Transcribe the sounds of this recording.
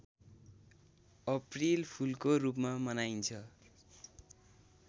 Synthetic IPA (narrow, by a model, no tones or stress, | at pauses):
ʌprilpʰulkorup̬mamʌnaint͡sʰʌ